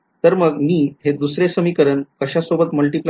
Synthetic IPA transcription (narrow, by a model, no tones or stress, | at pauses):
t̪əɾməɡmiːɦed̪usɾesəmikəɾəɳkəɕasobət̪məlʈipl